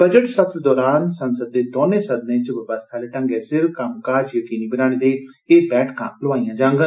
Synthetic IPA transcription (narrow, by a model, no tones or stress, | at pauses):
bəd͡ʒəʈsət̪ɾd̪ɔːɾaːnsənsəd̪̚ːeːd̪oːnẽːsəd̪nẽːt͡ʃʋəbəst̪ʰaːleːʈə̃ŋɡeːsɪɾkəmkaːd͡ʒjəkiːniːbɪɾaːɽ̃ẽːd̪eː | eːbɛːʈʰkʰã̰ːləʋaːijãːd͡ʒãːŋɡən